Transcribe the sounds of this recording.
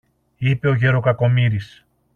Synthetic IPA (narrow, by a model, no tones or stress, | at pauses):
ipe̞oʝe̞ɾo̞kɐko̞miɾis